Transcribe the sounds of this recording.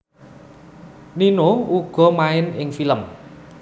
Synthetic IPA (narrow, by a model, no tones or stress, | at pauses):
ninouɡ̥ɔ̤maɪnɪŋfiləm